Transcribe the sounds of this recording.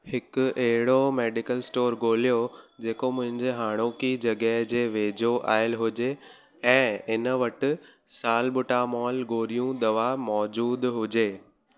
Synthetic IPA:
hɪkʊɐɦɪɽomeːɖɪkəlsʈoːɾɡoːlijod͡ʑeːkomʊ̃ɦɪ̃ɲd͡ʑeɦaːɽ̃oːkid͡ʑɐɡɛɦd͡ʑeːʋeːd͡ʑoʔa̰ːɪlɦʊd͡ʑe | ɛ̃ːɪnəʋɐʈɪ̆ | saːlɓʊʈaːmɔːlɡoːlijũd̪ɐʋamɔːd͡ʑuːd̪ɦʊd͡ʑeː

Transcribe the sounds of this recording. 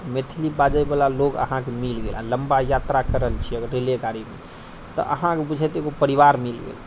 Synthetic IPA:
met̪ʰilibad͡ʒəjbalalokə̰ɦãkemilɡelãləmbajat̪ɾakəɾəəlt͡ʃʰiəɡəɾːelekaɾimḛ | t̪ɔ̰ʔə̰ɦãkebud͡ʒʱɛt̪eɡopəɾibaɾmilɡḛl

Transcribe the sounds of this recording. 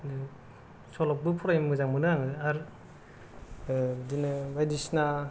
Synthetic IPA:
sɔlɔk̚bɯpʰuɾajmɯzaŋmɯnɯaŋɯaɾ | dinɯbajdisna

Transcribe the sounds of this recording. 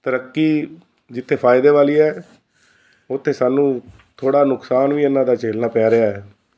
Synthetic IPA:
t̪əɾəkːiː | d͡ʒɪt̪ʰːeːpʰaːɪd̪eːʋaːliːɛː | ʊt̪ʰːeːsaːnːũː | t̪ʰoːɽaːnʊksaːnʋiːɪnːãːd̪aːt͡ʃeːlnaːpɛːɾeaːɦɛː

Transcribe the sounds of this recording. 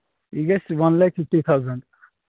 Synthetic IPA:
iɡesʋʌnlajkfifʈit̪ʰawzə̃ɳɖ

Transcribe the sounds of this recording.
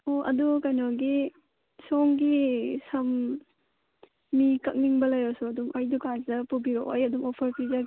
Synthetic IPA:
oɐ̰dukajnɔɡi | sɔŋɡisɐm | ikɐk̚niŋbɐlɐjɾɔsuɐdumɐjdukanzɐpubiɾoʔojɐdumɔpʰɐɾpiza

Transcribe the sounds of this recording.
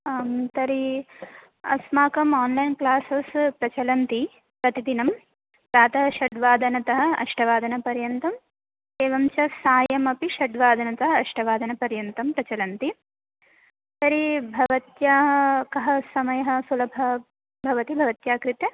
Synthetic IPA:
mt̪ɐɾi | ɐ̰smaːkɐmaːnlɐjnklaːsɐspɾɐt͡ʃɐlɐnt̪i | pɾɐt̪id̪inɐm | pɾaːt̪ɐʃɐɖʋaːd̪ʱɐnɐt̪ɐɦɐ̆ɐ̰ʂʈʰɐʋaːd̪ʱɐnɐpɐɾjɐnt̪ɐm | eːʋɐmt͡ʃɐsaːjɐmɐpiʃɐɖʋaːd̪ʱɐnɐt̪ɐɦɐɐʂʈɐʋaːd̪ʱɐnɐpɐɾjɐnt̪ɐmpɾɐt͡ʃɐlɐnt̪i | t̪ɐɾibʱɐʋɐt̪jaːɦkɐɦɐsɐmɐjɐɦɐ̆sulɐbʱɐ | bʱɐʋɐt̪ibʱɐʋɐt̪jaːkɾit̪jɐ

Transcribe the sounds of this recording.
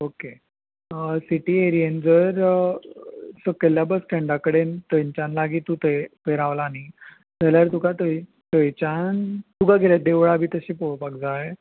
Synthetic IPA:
oke | əsiʈiːeɾiend͡zəɾ | səkəljabəsʈẽɳɖakəɽent̪əɲt͡ɕanlaɡiːt̪ut̪əjpeɾaʋlaːni | d͡zəljaɾt̪ukat̪əi | t̪əjt͡ɕant̪uɡaɡʱeljad̪eʋɭaːbʱiːt̪əɕiːpoɭpakd͡zae

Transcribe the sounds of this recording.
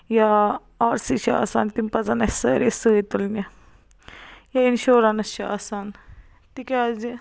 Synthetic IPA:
ja | aːɾsiʃʰɐa̰ːsa̰ːnt̪impɐzɐnɐsɐɾesɨːit̪ulnʲɐ | jɐinʃoːɾɐnɐst͡ʃɐa̰ːsaːn | t̪ikʲazi

